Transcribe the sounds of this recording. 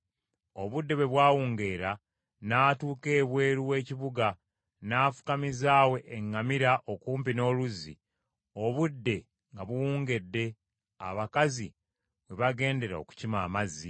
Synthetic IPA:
o̞βudːe̞βwe̞βwaːwuːŋɡe̞ːɾa | naːtuːke̞ːβwe̞ːɾuwe̞ːciβuɡa | naːfu̥kamizaːwe̞ʔːŋːamiɾaʔokuːmpino̞ːluzḭ | o̞βudːe̞ | ŋɡaβuwuːŋɡe̞dːe̞ | a̰βakazi | βwe̞βaɡe̞ːnde̞ɾao̞̰ku̥cimaːmazi

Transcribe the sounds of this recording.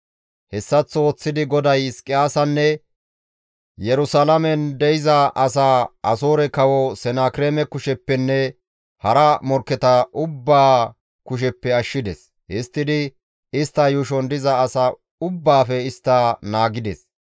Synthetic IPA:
hɛsːɐt͡sːooːt͡sːɪd̪ɪɡɔd̪ɐjskʼɪjaːsɐnːɛ | jɛɾʊsalɐmɛnd̪ɛjɪzɐʔɐsaːʔɐsoːɾɛkɐwɔsɛnaːkɪɾeːmɛkʊʃɛpːɛnːɛ | hɐɾɐmɔɾkːɛt̪ɐʔʊbːaː | kʊʃ̬ɛpːɛɐʃːɪd̪ɛ̰s | hɪst̪ːɪd̪ɪ | ɪst̪ːɐjʊʃ̬ɔnd̪ɪzɐːsɐ | ʊbːaːfɛɪst̪ːɐnaːɡɪd̪ɛ̰s

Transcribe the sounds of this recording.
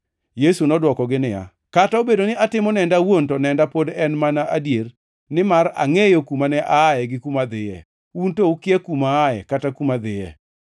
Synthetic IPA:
jesunɔdwɔkɔɡɪnɪja̰ | kataobedonɪʔatɪmɔnɛndawontɔnɛndapodɛnmanaʔadjer | nɪmaɾa̰ŋejokumanɛʔaːjɛɡɪkumad̪ɪjɛ̰ | untoukɪɛkumaːjɛ̰katakumad̪ɪjɛ̰

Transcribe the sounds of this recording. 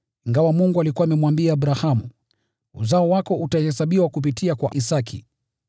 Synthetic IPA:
iŋɡawamuŋɡualikuwamɛmwambiaːɓɾahamṵ | ṵzaɔwakɔʔutahɛsaɓiwakup̬itʰiakwa̰ʔisakʰḭ

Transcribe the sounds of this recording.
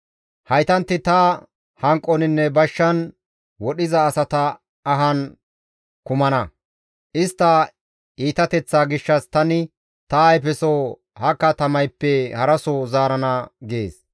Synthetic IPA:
hɐjt̪ɐnt̪ːɪt̪ɐ | hɐŋkʼːɔnɪnːɛbɐʃːɐn | wɔɗɪzɐːsɐt̪ɐː | ɦɐn | kʊmɐnɐ | ʔɪst̪ːɐ | iːt̪ɐt̪ɛt͡sːaːɡɪʃːɐst̪ɐnɪ | t̪ɐɐjpɛso | hɐkːɐt̪ɐmɐjpːɛhɐɾɐsɔzaːɾɐnɐɡeːs

